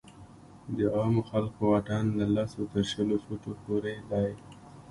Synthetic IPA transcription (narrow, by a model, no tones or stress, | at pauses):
d̪əɑmoxalkowaʈanlalasot̪əɾʃəlofuʈopoɾed̪aj